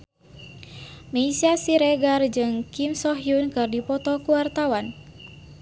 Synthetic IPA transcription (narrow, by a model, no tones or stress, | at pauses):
meisiasiɾɛɡard͡ʒɨŋkimsɔɦiunkɨrdipɔt̪ɔkuwart̪awan